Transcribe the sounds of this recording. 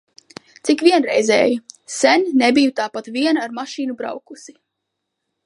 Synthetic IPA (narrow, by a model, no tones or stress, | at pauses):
t̪sikvʲiɛnɾɛjzɛ̰ːjisɛnʲnebijut̪aːpat̪vʲiɛnaɾmaʃiːnubɾa̰wkusi̥